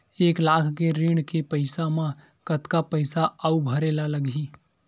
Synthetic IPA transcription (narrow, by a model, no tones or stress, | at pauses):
eːklaːkʰkeɾɪɳkepəɪsamã | kət̪kapəɪsaaubʱɐɾeːlaləɡʱiː